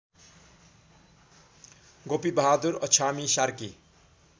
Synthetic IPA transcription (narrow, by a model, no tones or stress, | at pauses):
ɡopibʌɦad̪uɾʌ̰t͡ʃʰamisaɾki